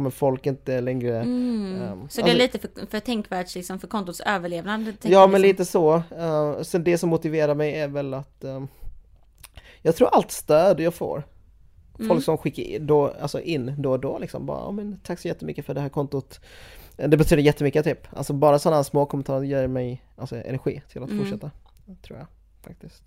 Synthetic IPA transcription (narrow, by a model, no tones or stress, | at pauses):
mɛnfɔlkɪnt̪əɛlɛŋɾə | sɔdaliːt̪əffœʈ̪ʰɛŋkvæːʈʂlɪksɔmfœɾkʰɔnt̪ʊt̪søːvəɭeːvnandd̪ət̪ʰjɑːmɛnliːt̪əsɔ | sɛnd̪ɛsɔmːʊt̪ɪveːɾaɾmɛjæɾvɛlat̪ | jɑːɡt̪ʰɾuːɾʔalt̪st̪øːd̪jɑːɡfo̰ːɾ | fɔlkksɔmɧɪkːəd̪oa̰lsɔ̰ʔɪnːd̪ɔd̪ɔlɪksɔ̰mbɑ̰ːɾa̰ɑ̰ːmɛnt̪ʰakːsɔjɛt̪ːəmʏ̰kːəfœɖɛhæːɾkʰɔnt̪ʊt̪ | d̪ɛbɛt̪ʰyːd̪əɾjɛt̪ːəmʏkːət̪ʰyːpːʔa̰lsɔbɑːɾasɔnːaasmoːkʰɔmɛnt̪ʰɑːɾəjœːmɛjʔalsɔɛ̰næɾɧḭːt̪ʰɪlat̪fʊʂɛt̪ːa | t̪ʰɾṵːja | fa̰k̚t̪ɪskt̪